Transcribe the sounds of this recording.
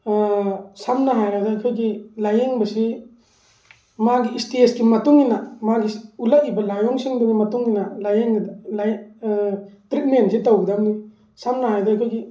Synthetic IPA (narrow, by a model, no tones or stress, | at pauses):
samnɐɦajɾajdaːjkʰojɡilajeŋbɐsi | maɡiistiesɡimɐtuŋinamaɡiulaʔibɐlajɔŋsiŋduɡimɐtuŋinɐlajeŋɡdlaj | tɾit̚mensʰitawɡdamni | samnɐɦajdɔajkʰojɡi